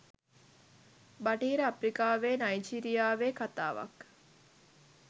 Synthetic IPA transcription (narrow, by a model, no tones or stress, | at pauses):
baʈiːɾəapɾikaːʋeːnɐjd͡ʒiɾijaːʋeːkat̪a̰ːʋa̰k